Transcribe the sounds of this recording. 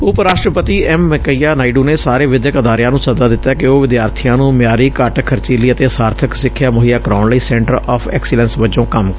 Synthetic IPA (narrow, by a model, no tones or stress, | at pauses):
ʊpɾaːʃʈɾəpət̪iːɛːmːɛkəiːaːnaːiɖuːneːsaːɾeːʋɪd̪jəkəd̪aːɾɪjãːnũːsəd̪aːd̪ɪt̪ːaːkɪoːʋɪd̪jaːɾt̪ʰiːjãːnũːmjaːɾiːkəʈkʰəɾt͡ʃiːliːət̪eːsaːɾt̪ʰəksɪkʰːjaːmʊɦiːjaːkɾaːnləiːsɛ̃ɳʈəɾɔːfʰɛ̰ːksɪlɛ̃nsʋət͡ʃõːkəm